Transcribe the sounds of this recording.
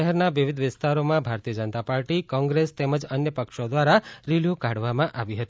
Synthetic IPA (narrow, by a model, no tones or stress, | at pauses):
əɦɛɾnaʋiʋid̪ʱʋɪst̪aɾomãbʱaɾt̪iəd͡ʒənt̪apaɾʈikɔ̃ŋɡɾest̪ɛməd͡ʒənjəpəkʃod̪ʋaɾaɾiljukaɽʋamãʔaʋiɦət̪i